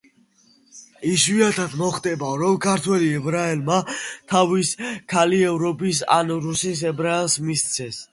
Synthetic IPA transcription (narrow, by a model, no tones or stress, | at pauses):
isviat̪ʰad̪mɔχt̪ʼɛbaɾɔmkʰaɾt̪ʰwɛliɛbɾaɛlmat̪ʰaviskʰaliɛvɾɔbisa̰nɾusis̬ɛbɾaɛlsmist̪sʰɛs